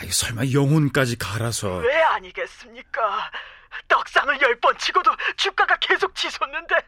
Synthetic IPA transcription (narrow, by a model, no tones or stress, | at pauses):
ajisʰʌɭmajʌŋɦonk͈ad͡ʑikaɾasʰʌweaɲiɡe̞s͈ɯmɲik͈a | t͈ʌk̚s͈aŋɯɭjʌɭp͈ʌnt͡ɕʰiɡodot͡ɕʰuk͈aɡake̞sʰok̚t͡ɕisʰʌnːɯnde̞